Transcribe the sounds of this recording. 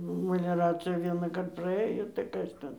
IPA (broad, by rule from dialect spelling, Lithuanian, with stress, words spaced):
məlʲɛˈrɑːt͡sʲɪjɛ ʋʲiɛnɑːˈkɐrt prɐˈɘjoː tɐɪ ˈkɐs tʲɛn